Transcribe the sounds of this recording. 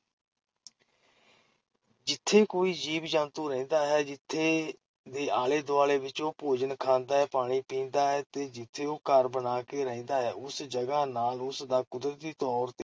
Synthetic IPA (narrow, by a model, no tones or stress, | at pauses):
d͡ʒɪt̪ʰːeːkoːiːd͡ʒiːbd͡ʒãːnt̪ũːɾɛ̃ːnd̪aːɦɛːd͡ʒɪt̪ʰːeː | d̪eːaːleːd̪oaːleːʋɪt͡ʃoːpoːd͡ʒənkʰãːnd̪aːɦɛːpaːɽ̃iːpĩːnd̪aːɦɛːt̪eːd͡ʒɪt̪ʰːeːoːkəɾbənaːkeːɾəĩːnd̪aːɦɛːʔʊsd͡ʒəɡaːnaːlʊsd̪aːkʊd̪ɾət̪d̪iːt̪ɔːɾt̪eː